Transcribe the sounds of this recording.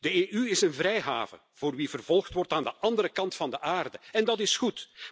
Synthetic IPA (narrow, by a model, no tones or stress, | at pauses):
dəeːʔyɪsənvɾɛjɦa̰ːvə̰ | v̥oːrʋivərv̥ɔlˠxtʋɔrtaːndəʔɑndəɾəkɑntfɑndəʔaːrdəɛndɑtɪsxut